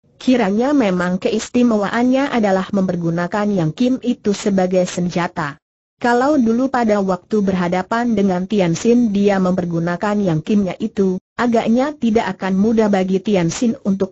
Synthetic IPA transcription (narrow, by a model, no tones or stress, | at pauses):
kʰiɾaɲamemaŋkəist̪imawaʔanɲaʔadalahməmpərɡunakanjaŋkimit̪usəbaɡajsəɲd͡ʒat̪a | kalawdulupadawak̚t̪ubərɦadapandəŋant̪iansɪndiaməmpərɡunakanjaŋkɪmɲaʔit̪uʔaɡaʔɲat̪idaʔakanmudahbaɡit̪iansɪnunt̪ʊk̚